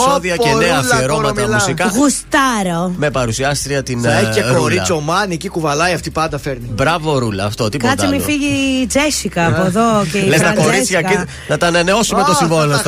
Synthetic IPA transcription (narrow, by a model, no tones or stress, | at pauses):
soðiɐceneɐfeɾomɐɐmussikɐɣust̪ɐɾome̞pɐɾusiɐst̪ɾiɐt̪ineeoɾit͡so̞mɐniecikuvɐlɐjɐft̪ipɐnd̪ɐfeɾnibɾɐvo̞ɾulɐːft̪ot̪ikd̪iɐmifiʝid͡zesikɐːpoðocelest̪ɐko̞ɾit͡s̪çɐki | nɐt̪ɐːnɐneo̞sumeossimvolo